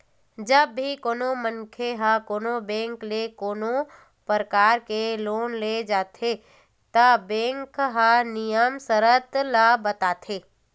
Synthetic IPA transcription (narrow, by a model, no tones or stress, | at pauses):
d͡ʒəbːʱikoːnomənkʰeɦakoːnobẽːŋklekoːno | pəɾəkaːɾkeloːnled͡ʒaːt̪ʰe | t̪ɐbẽːŋkɦanɪjəmsəɾət̪labət̪aːt̪ʰeː